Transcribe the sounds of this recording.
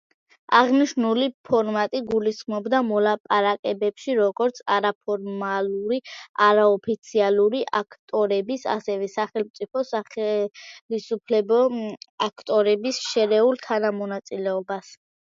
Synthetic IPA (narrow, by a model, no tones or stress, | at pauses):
aʁniʃnulipʰɔɾmat̪ʼiɡulisχmɔbd̪amɔlapʼaɾakʼɛbɛpʃiɾɔɡɔɾt̪sʰaɾapʰɔɾmaluɾiaɾaɔpʰit̪sʰialˠuɾiʔakʰt̪ʼɔɾɛbisa̰sɛvɛsaχɛlˠmt̪sʼipʰɔsaɛlisupʰlɛbɔakʰt̪ʼɔɾɛbisʃɛɾɛulˠt̪ʰanamɔnat̪sʼilɛɔbas